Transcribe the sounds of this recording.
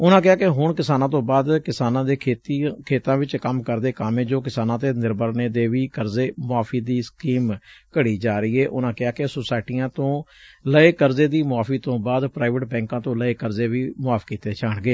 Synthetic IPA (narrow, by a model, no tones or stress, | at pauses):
ʊnãːkɪaːkeɦʊɳkɪsaːnãːt̪̬õːbaːd̪kɪsaːnãːd̪eːeːt̪kʰeːt̪ãːʋɪt͡ʃkəmkəɾd̪eːkamẽːd͡ʒoːk̬ɪsaːnãːt̪eːnɪɾbəɾneːd̪eːʋiːkəɾzeːmʊaːpʰiːd̪iːskiːmkəɽiːd͡ʒaːɾəiːɛːʔʊnãːkɪaːkesoːsaːɪʈiːãːt̪õːləeːkəɾzeːd̪iːmʊaːfʰiːt̪õːbaːd̪pɾaːɪʋəʈbɛ̃ːŋkãːt̪õːləeːkəɾzeːʋiːmʊaːpʰkiːt̪eːt͡ʃaːɳɡeː